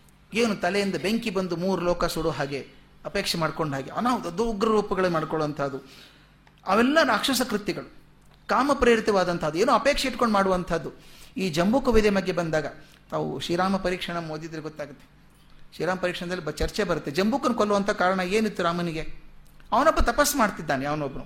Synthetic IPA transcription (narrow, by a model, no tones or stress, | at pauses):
eːnut̪ɐlejind̪ɐbeŋkibɐnd̪umuːɾulɔːkɐsuɽuɦaːɡe̞ | ɐpeːkʂemaːɖko̞ɳɖʱaːɡeɐnaːʋud̪ɐd̪uɡɾɐɾuːpɐɡɐɭɐnmaːɖkoɭʋɐnt̪ʰɐd̪u | ɐʋɛlːɐɾaːkʂɐsɐkɾut̪iɡɐɭu | kaːmɐpɾiːɾit̪ɐʋaːd̪ɐnt̪ʰɐːd̪ueːnoːɐpe̞ːkʂɐiʈko̞ɳɖmaːɽuʋɐnt̪ʰɐd̪ːuiːd͡ʒɐmbuːkɐʋid̪jɐbɐɡːe̞bɐnd̪aːɡɐ | t̪aːʋṵʃiːɾaːmɐpɐɾiːkʂɐɳɐmoːd̪id̪ɾeɡɔt̪ːaːɡut̪ːe | ʃɾiːɾaːmɐpɐɾiːkʂɐɳɐd̪ɐlːibɐt͡ʃɐɾt͡ʃebɐɾut̪ːe̞d͡ʒɐmbuːkɐnukolːuʋɐnt̪ʰɐkaːɾɐɳɐeːnit̪ːuɾaːmɐniɡe̞ɐʋɐnɐbːɐt̪ɐpɐsːmaːɖt̪id̪ːaːneaːʋɐnɐbnu